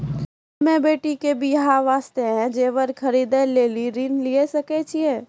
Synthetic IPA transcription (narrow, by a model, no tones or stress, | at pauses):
mẽbeːʈikebʱijɐɦãʋaːst̪eɦɛ̃d͡ʒeːʋəɾkʰɐɾiːd̪ẽleːliɾinliesɐket͡ʃʰieː